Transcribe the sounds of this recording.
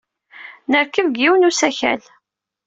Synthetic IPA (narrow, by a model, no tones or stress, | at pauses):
nəɾkəvɡiwənusæçæ̰l